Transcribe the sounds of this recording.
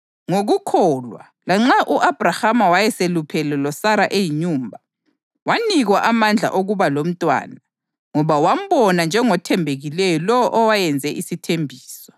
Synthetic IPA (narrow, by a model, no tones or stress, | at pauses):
ŋoɣukʰɔːlwa̰ | laŋ͡ǁaʔuʔab̥ʱrahamawajɛselupʰɛlɛlɔsaɾaʔejiɲuːmbʱa | waniɣwaʔamand͡ɮʱa̰ʔoɣuβalom̩tʼwa̰ːna | ŋɔβawam̩βɔnand͡ʒʱɛŋɔtʰɛmbʱeɣilɛjɔlɔwɔʔɔwajɛnd͡zʱɛʔisitʰembʱiːsɔ̥